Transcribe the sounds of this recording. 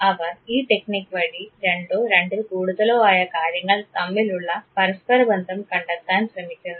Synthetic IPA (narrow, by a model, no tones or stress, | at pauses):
ɐʋɐɾiːʈeknikʋɐɽiɾe̞ɳɖoːɾe̞ɳɖilkuːɽuðɐloːaːjɐkaːɾjɐŋɡɐɭt̪ɐmːiluɭːɐpɐɾɐspɐɾɐbɐnd̪ʱɐmkɐɳɖɐt̪ːaːnɕɾɐmikʲːund̪i